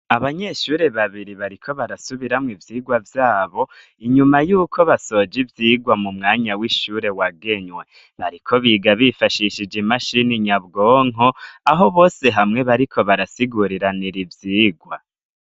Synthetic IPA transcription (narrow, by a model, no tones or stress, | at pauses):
aβaɲe̞ʃuːɾe̞βaβiɾiβaɾikʰo̞βaɾasuβiɾamŋivjiːɡwavjaːβo̞ | iɲumajuːkʰo̞βaso̞d͡ʒivjiːɡwamumŋaːɲawiʃuɾe̞waɡe̞ɲwe̞ | βaɾikʰo̞βiɡaβifaʃiʃid͡ʒimaʃiniɲabɡo̞ːŋ̥ɦoaɦo̞βo̞ːse̞ɦamŋe̞βaɾikʰo̞βaɾasiɡuɾiɾaniɾivjiːɡwa